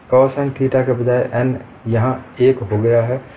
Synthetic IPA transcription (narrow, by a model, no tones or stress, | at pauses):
kɔːsɛ̃ŋʈʰiːʈakebɐd͡ʒaːeʔɛn | jɐɦãeːkɦoɡɐjaɦɛ